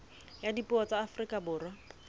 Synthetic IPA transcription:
jadipʊɔt͡saːfrikʼabʊːrwa

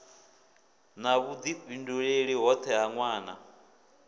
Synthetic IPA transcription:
naβud͡z̪ibinduɺeɺiɦɔt̪ʰɛɦaŋwaːna̰

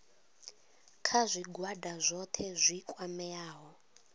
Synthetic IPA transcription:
kʰazʷiɡwadazʷɔtʰɛzʷikʼwamɛaːɦɔ

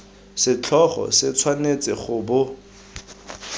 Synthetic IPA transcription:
sɪt͡ɬʰɔχɔ̰sɪt͡sʰwanet͡sʼɪχʊbʊ

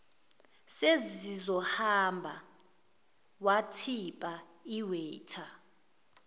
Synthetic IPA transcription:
sezizɔhambʱa | watʰipʼaiwɛːtʰa

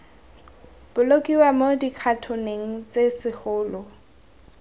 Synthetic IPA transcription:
b̥ʊlokʼiwamodiq͡χʰatʰʊneŋ̩t͡sʼesɪχʊːlɔ

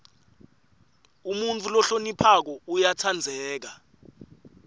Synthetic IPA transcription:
umunt͡fʰulɔɬonipʰak̬ɔujatʰand͡zʱɛːk̬a

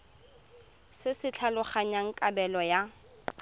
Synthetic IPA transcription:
sɪsɪt͡ɬʰalʊχaɲaŋ̩kʼabɛlɔja

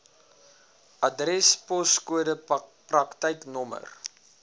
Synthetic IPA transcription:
ʔɐdrɛspɔskuəɾəprɐktəjknɔmə̰r

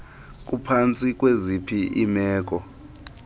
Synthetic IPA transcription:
k̬ʼupʰant͡sʼikʼwezipʰiimɛːk̬ʼɔ

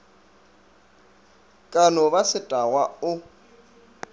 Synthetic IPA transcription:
kʼanɔβasɪtʼawaʊ

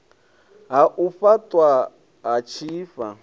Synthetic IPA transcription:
ɦaʔufatʼwa | ɦat͡ʃʰiːfa

